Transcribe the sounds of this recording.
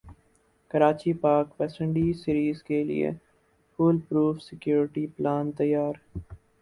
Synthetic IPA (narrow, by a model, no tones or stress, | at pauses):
kəɾaːt͡ʃipaːkʋɛːsə̃ɳɖisɪɾiːzkelḭḛ | fuːlpɾuːfsɪkjuːɾɪʈiplaːnt̪ɐjːaːɾ